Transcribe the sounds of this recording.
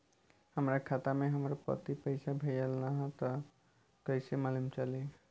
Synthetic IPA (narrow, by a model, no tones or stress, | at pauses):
həmɾakʰat̪amẽɦəmɾapə̰t̪ipəɪsabʱeɖəlnaɦɛ̃t̪ɔ | kəjsemalumt͡ʃali